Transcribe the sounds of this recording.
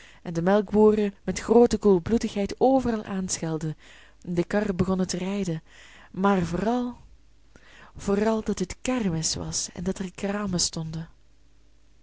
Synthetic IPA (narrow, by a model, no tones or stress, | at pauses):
ɛndəmɛlˠɡbuːrəmɛtxroːtəkulˠblutəxɦɛjtoːvərɑlˠʔaːnsxɛlˠdən | dəkɑrbəɣɔnətərɛjdən | maːrvːrɑlˠ | v̥oːrɑlˠdɑtɦətkɛrmɪsʋɑ̰sɛ̰ndɑtɛrkraːməstɔndən